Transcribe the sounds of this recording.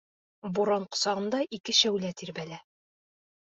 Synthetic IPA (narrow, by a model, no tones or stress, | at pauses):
buɾɑɴqŏ̥sɑʁɤ̆nd̪ɑʔikɘɕæwlæt̪iɾbælæ